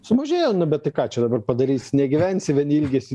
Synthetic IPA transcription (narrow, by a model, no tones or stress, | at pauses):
sʊmɐʒʲeːjoːnʊbʲɛt̪t̪ɐɪkɑːt͡ʃʲɛd̪ɐbɐrpɐd̪ɐɾʲiːsʲnʲɛɡʲɪʋʲænʲsʲɪʋʲɛnʲɪlʲɡʲeːsʲɪ